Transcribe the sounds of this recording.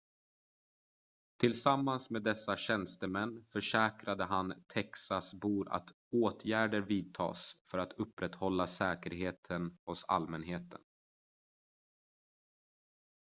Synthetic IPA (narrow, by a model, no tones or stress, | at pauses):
t̪ʰɪlsamːansmeːd̪ɛsːaɕɛnst̪əmɛnːfœʂɛːkɾad̪əɦant̪ʰɛksasbuːɾa̰t̪ | oːt̪ʰjæːɖəɾviːd̪̚t̪ʰɑ̰ːsfœɾat̪ʰɵpːɾɛt̪hɔlːasɛːkəɾɦeːt̪ʰənhɔsa̰lmɛnɦeːt̪ʰə̰n